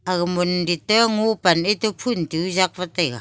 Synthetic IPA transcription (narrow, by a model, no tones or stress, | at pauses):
aɣamunditeŋupanetupʰuntiuzak̚vateɣa